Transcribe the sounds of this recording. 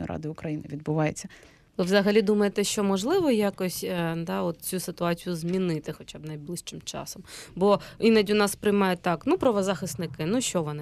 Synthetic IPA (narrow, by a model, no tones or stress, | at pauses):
jɾʔɑ̰d̪ɪʊkɾɐjinɪʋʲid̪bʊʋɑjet͡sʲːɐ | lɪʋzɐɦɐlʲid̪umɐjet̪ɛʃt͡ʃɔmɔʒlˠɪʋɔjakɔsʲd̪ɑɔt̪̚t͡sʲusɪt̪ʊɑt͡sʲijʊzmʲinɪt̪ɪxɔt͡ʃʲabnɐjblˠɪʃt͡ʃɪmt͡ʃɑ̰sɔmbɔinɐdʲʊnɑspɾɪjmɑjʊt̪ːɑknupɾɐʋɔzaxɪst̪nɪkɪnuʃt͡ʃɔʋɔnɪ